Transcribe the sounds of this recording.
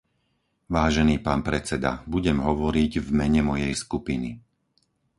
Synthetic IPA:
ʋaːʒɛniːpaːnpɾɛt͡sɛd̪a̰buɟɛmɦɔʋɔɾiɟvmɛɲɛmɔjɛjskupini

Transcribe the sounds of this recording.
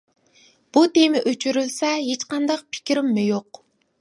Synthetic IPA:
b̥ut̪emɪʔøt͡ʃʰyɾylsɛɦet͡ʃqɑnd̪ɑq̚pʰɪ̥kʲiɾɪmːɪjoq

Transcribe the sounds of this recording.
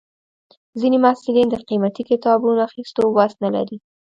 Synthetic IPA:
zinemasɪlind̪əqimat̪ikɪt̪ɑbunoaxist̪owasnala̰ɾi

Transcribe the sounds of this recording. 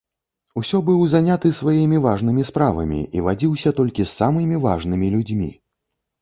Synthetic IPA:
usʲɔbɨwzanʲat̪ɨsvajimʲivaʐnɨmʲispɾavɐ̰mʲḭʔivad͡zʲiwsʲɐt̪ɔlʲkʲisːamɨmʲiva̰ʐnɨmʲilʲud͡zʲmʲḭ

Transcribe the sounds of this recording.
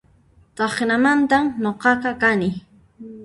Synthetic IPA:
t̪ɑχnamant̪amnoqɑqɑkanɪ

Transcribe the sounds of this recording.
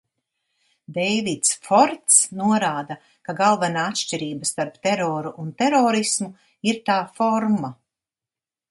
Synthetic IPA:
d̪ɛjvit̪sfɔɾt̪snuɔɾaːd̪a | kaɡalˠvɛnaːat̪ʃt͡ʃiɾiːbɐst̪aɾpt̪ɛɾɔːɾuʔunt̪ɛɾɔːɾismu | iɾt̪aːfɔɾma

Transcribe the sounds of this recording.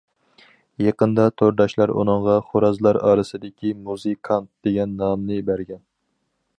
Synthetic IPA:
jɑqənd̪ɑt̪ʰoɾd̪ɑʃlˠɑɾṵnɨŋʁɑχoɾɑzlˠɑɾɑ̰ːɾɨsɨd̪ɪkʲimuzɨkʰɑnt̪̚d̪̥eɡʲɛnːɑmnɨbæɾɡʲɛn

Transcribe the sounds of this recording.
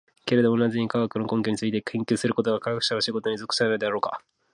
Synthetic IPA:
ke̞ɾe̞d̪o̞monazɨɲ̟ikaɡakɯnokõ̞ŋkʲoɲ̟it͡sɨit̪ekʰẽ̞ŋkʲɨːsɨɾɯ̟ko̞t̪o̞ɡakaɡakɯ̟̥ɕanoɕiɡo̞t̪o̞ɲ̟izo̞kɯ̟̥saɾenod̪e̞aɾo̞ːka̰

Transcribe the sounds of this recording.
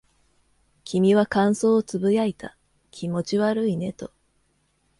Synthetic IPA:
kʲʰimʲiβakãɰ̃so̞ːt͡sɨbɯ̟jait̪ʰa | kʲʰimo̞t͡ɕiβaɾɯ̟ine̞t̪o̞

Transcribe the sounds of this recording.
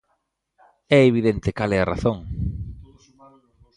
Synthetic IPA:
ɛeβiðent̪ekalɛɐraθoŋ

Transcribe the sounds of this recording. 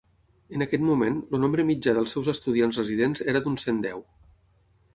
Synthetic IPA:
ənəkɛt̪mumenlunombɾəmid͡ʒaðəlˠsɛwzəst̪uð̞ianzrəziðenzeɾəðunsend̪ɛw

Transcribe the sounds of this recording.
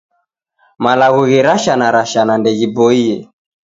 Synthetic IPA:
malaɣuɣiɾaʃanaɾaʃanandɛɣibɔiɛ

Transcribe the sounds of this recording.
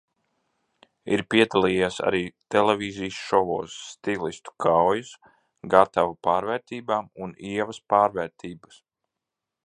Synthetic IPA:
ḭɾpiɛd̪alˠiːjaːsa̰ɾiːt̪ɛlɛvʲiːzijsʃɔvoːsːt̪ilist̪u̥kʰawjus | ɡat̪avapaːɾvɛːɾt̪iːbaːmuniɛvɐspaːɾvɛːɾt̪ʰiːbɐs

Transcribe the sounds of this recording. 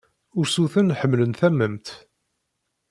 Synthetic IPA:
ʊɾsuθənħəmːlənθæmːəmt̪

